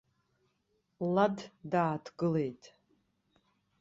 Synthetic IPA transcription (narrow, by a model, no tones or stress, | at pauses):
laddaːtʰɡɨle̞jtʼ